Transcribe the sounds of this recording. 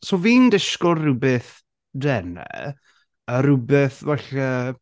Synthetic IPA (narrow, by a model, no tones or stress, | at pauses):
soːviːndɪʃkɔrrʊbɛθ | dɛnɛ̰ | əɾʊbɛθvɛɬə